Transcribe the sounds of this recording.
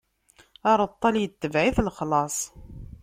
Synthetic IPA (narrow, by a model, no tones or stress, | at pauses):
ɑɾˤət̪ˤːɑljət̪ːəvʕiθlχlɑsˤ